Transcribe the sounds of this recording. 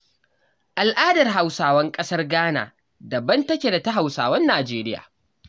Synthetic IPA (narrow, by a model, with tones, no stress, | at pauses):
ʔa˨lʔaː˦dɐ˨rɦa˨wsaː˨wɐ˦ŋkʼɐ˦sɐ˦rɡaː˦na̰ː˨ | dɐ˨bɐ˦ntɐ˦kʲe˨da˨ta˦ɦa˨wsa̰ː˨wɐ˦nːaː˨d͡ʒeː˦ɾɪ˦ja̰ː˨